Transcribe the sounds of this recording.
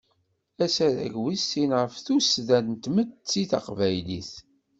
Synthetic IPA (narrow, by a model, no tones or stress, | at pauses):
æsæðæ̰ʝwisːinʁəfθusðænt̪məd̪t͡sːiθɑ̰qvæjliθ